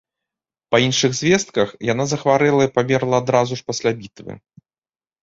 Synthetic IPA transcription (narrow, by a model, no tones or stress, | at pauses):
pɐinʂɨɣzʲvʲɛst̪̚kɐxjan̪azɐxvaɾɛlˠɐipamʲɛrlˠɐːd̪ɾazuʂpasʲlʲabʲit̪vɨ̰